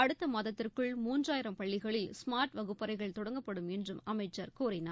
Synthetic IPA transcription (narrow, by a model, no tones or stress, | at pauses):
ɐɽɯt̪ːɐmɐðɐt̪ːɪrkɯɭmuːndraːjɪɾɐmpɐɭːɪɣɐɭɪlsmaːɾʈʋɐɣɯpːɐɾɐɪɣɐɭt̪ɔɽɐŋɡɐpːɐɽɯmɛndrɯmɐmɐɪt͡ʃːɐɾkuːɾɪnɐ